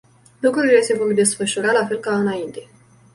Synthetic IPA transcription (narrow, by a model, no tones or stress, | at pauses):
lukɾuɾile̞se̞vo̞rd̪e̞sfəʃuɾalafe̞lkaɨnaint̪e̞